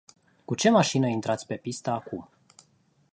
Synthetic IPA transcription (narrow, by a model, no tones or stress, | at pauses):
kut͡ʃe̞maʃinəint̪ɾat̪sʲpe̞pist̪əakum